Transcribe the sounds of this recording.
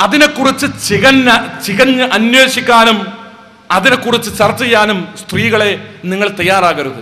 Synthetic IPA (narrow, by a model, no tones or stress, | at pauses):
ɐðine̞kːurit͡ɕːɨt͡ɕiɣɐnɐt͡ɕiɣɐnʔɐnweːɕikʲːaːnum | ɐðine̞kːurit͡ɕːɨt͡ɕɐrt͡ɕːijaːnumst̪riːɣɐɭe̞niŋːɐɭt̪ɐjːaːraːɣɐɾuðɐ